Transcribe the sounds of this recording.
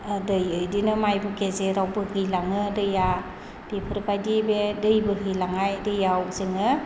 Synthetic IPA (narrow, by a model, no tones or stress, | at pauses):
dɯjɯjdinɯmajbɯkezeɾawbɯhɯjlaŋɯdɯja | d̥epʰɯɾpajdibedɯjbɯɦɯjlaŋajdɯjawzɯŋɯ